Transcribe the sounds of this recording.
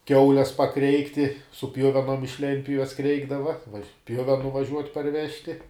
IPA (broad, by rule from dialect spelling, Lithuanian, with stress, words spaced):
ˈkʲɛʊlʲɛs pɐˈkrʲɛɪktʲɪ sʊ ˈpʲjʊʋʲɛnoːm ɪʃ ˈlʲɛnʲtʲpʲjʊʋʲɛs ˈkrʲɛɪɡdɐʋɐ ˈpʲjʊʋʲɛnʊ ʋɐˈʒʲuɔtʲ pɐrʲˈʋʲæːʃʲtʲɪ